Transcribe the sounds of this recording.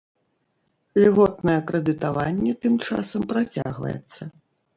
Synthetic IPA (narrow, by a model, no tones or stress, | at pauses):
lʲiɣɔt̪nɐjɐkɾɛd̪ɨt̪avanʲːɛt̪ɨmt͡ʂa̰sɐmpɾat͡sʲa̰ɣvɐ̰jɛ̰t̪sːɐ